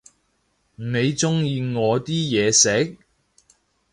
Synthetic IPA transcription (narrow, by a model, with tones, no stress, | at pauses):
ne˨˧jt͡sʊ˥ŋjiː˧ŋɔː˨˧t̪iː˥jɛː˨˧sɛ˨˥k̚